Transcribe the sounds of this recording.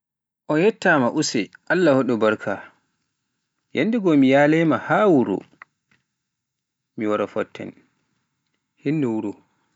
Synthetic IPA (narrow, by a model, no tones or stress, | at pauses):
ʔɔjɛtːamaʔusɛʔalːahoɗɔbaɾkʰa | jʔanːdiɡɔmijalɛmahawuɾṵ | miwaɾafɔtːɛ̰n | hinːuwuɾu